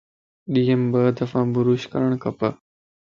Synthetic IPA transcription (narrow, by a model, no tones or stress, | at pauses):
ɗiːəmbəd̪ɐfãːbʊɾuːʃkɐ̰ɾəɽ̃kʰɐpə